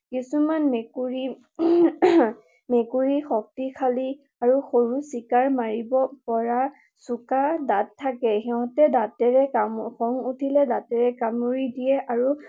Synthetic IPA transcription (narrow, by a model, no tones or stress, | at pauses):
kisumanmekuɹi | mekuɹixɔk̚tikʰali | aɹuxoɹusikaɹmaɹibɔpɔɹa | sukadatʰːakɛxɛɦɔ̃tɛdatɛɹɛkamxʰɔŋutʰilɛdatɛɹɛkamuɹidijɛʔaɹu